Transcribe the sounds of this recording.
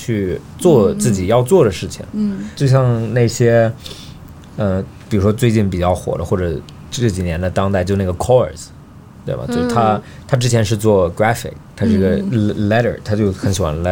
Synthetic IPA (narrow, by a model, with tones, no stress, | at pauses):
t͡ɕʰy˥˧ | t͡swɔ˥˧t͡sɹ̩˥˩t͡ɕi˨˩jɑ˥˧ʊt͡swɔ˥˩d̪ə˩ʂɻ̩˥˩t͡ɕʰḭ˩ŋt͡ɕjo˥˧ʊɕ̬jɑ˥˧ŋna˥˩ɪɕjɛ˥ | ə˧ | pi˨˩ɻu˥ʂwɔ˥t͡swe˥˧ɪt͡ɕi˥˩npi˨˩t͡ɕjɑ˥˩ʊxwɔ̰˨˩d̪ə˦xwɔ˥˩ʈ͡ʂɤ˨˩ | ʈ͡ʂʈ͡ʂɤ˥˩t͡ɕi˨˩njɛ˧˥nd̪ə˧t̪ɑ˥ŋt̪a˥˧ɪt͡ɕjo˥˧ʊna˥˩ɡə˩kʰɔ˥ə˞˨˩s | t̪we˥˩ɪbɐ̰˩t͡ɕjo˥˩t̪ʰa˥ | t̪ʰa˥ʈ͡ʂɻ̩˥t͡ɕʰjɛ˧˥nʂɻ̩˥˧t͡swɔ˥˩kɹa˥fɪ̰˨˩k̚t̪ʰa˥ʂɻ̩˥˩˧i˧˥ɡə˧lɛ˥ɾə̰˞˨˩t̪ʰa˥t͡ɕjo˥˩ʊxə˧˥ŋɕi˨˩xwa̰˧˥nlɛ˧˥